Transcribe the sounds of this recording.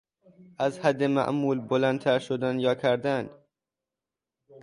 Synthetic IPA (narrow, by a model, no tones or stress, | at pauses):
ʔæzhæd̪ːemæ̰ʔmuːlbolænt̪ʰæɾʃod̪ænjɒːkʰæɾd̪æn